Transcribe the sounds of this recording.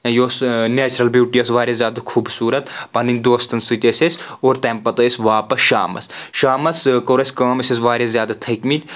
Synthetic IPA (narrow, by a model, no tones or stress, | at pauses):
joːsneːt͡ʃɾɐlbjuːʈijɐsʋaːɾʲjazjaːd̪akʰuːbsuːɾɐt̪pɐninʲd̪oːst̪ɐnsɨt̪ʲesʲesoːɾt̪ɛmpɐt̪ɐsʋaːpɐsʃa̰ːmɐ̰sʃaːmɐskoɾɐsʲkɐːmɐsesʋaːɾʲjazjaːd̪at̪ʰɐkmit̪